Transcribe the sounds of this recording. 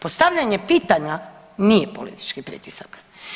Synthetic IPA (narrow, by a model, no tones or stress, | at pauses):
po̞st̪aʋʎaɲepiːt̪aɲa | nije̞po̞̰lḭt̪i̥t͡ʃkipɾḭːt̪isak